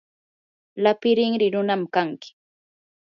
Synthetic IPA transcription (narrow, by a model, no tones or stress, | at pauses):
lapɪɾɪŋɾɪɾʊnamkaŋkɪ̥